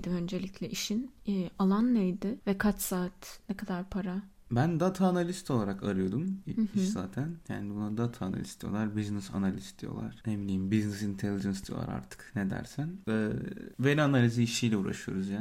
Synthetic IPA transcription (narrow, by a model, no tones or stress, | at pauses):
d̪imø̞nd͡ʒelʲiclʲɛʔiʃinːalˠanːejd̪ɪvɛkʰat͡ʃsaːt̪nɛkʰad̪aɾpʰaɾa | bænd̪at̪ʰaːnalʲist̪ʰo̞lˠaɾakaɾɯjo̞d̪umiiʃzaːt̪ʰæncʰæ̰nd̪ibunːad̪at̪ʰaːna̰lʲistd̪ijo̞̰lˠaɾbiznɛsa̰nalʲisd̪ijo̞̰lˠa̰ɾ̥emnʲijimbiznɛsint̪ʰelʲid͡ʒɛnsd̪ijo̰lˠa̰ɾa̰ɾt̪ʰɯ̥kned̪æ̰ɾsænɛbenianalʲiziiʃijlʲɛṵːɾa̰ʃɯjo̞̰ɾuzjaː